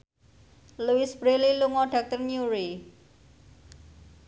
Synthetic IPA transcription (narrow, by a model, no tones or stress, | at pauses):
luisb̥ɾeliluŋɔɖ̥a̤k̚t̪ərɲuɾi